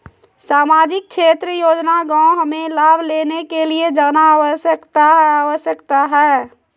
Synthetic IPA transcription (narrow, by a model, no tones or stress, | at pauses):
saːmaːd͡ʒɪk̚kʃeːt̪ɾəjoːd͡ʒnaɡãːõɦəmẽlaːbʱleːnekelied͡ʒaːnaːwəʃəkt̪aɦaːʋəʃjəkt̪aɦɛː